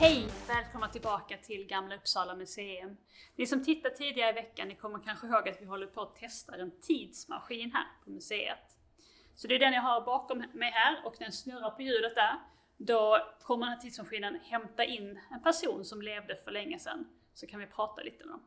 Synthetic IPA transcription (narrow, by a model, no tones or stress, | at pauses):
hɛjvɛːlkʰɔmnat̪ʰɪlbɑːkat̪ʰɪlɡamːlaɵpːsɑːlamɵseːʉm | nɪsɔmt̪ʰɪt̪ːaʈʰiːd̪ɪɡaɾəɪvɛkːa̰nːɪkʰɔmːəɾkʰanɧəɦoːɡat̪vɪɦɔlːəɾpʰɔːt̪ʰɛst̪aɾɛnt̪ʰiːd̪sma̰ɧiːnɦæ̰ːɾpʰɔmɵsḛːə̰t̪ | sɔd̪ɛjd̪ɛnjɑɦaɾbɑːkɔmːɛjɦæːɾɔknæɾjasnɵɾaɾpʰɔjʉ̟ːlət̪̚d̪æɾ | d̪ɔkʰɔmːədɛnæːʈt̪ʰiːd̪smaɧiːnənhɛmt̪aʔɪnːɛnpʰæʂuːnsɔmleːvd̪əfœɭɛŋːəsɛ̰nː | sɔkʰanvɪpʰɾɑːt̪a̰lḭːt̪əɛ̰d̪ɔ̰m